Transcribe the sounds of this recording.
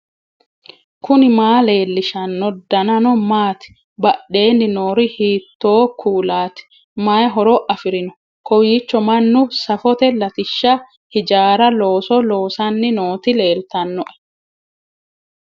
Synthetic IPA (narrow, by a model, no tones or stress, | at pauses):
kʰʊnɪmaːle̞ːlːɪʃɐnːɔd̪ɐnɐnɔmaːt̪ɪ̥ | bɐʔe̞ːnːɪnoːɾɪhiːt̪ːoːkʰuːlaːt̪ɪ̥ | maːjɦɔɾoʔɐfɪɾɪnɔ̥ | kɔwiːt͡ʃːɔmɐnːʊsɐfɔt̪ɛlɐt̪ɪʃːɐ | hɪd͡ʒaːɾɐlo̞ːsɔloːsɐnːɪnoːt̪ɪle̞ːlt̪ɐnːɔʔɛ̥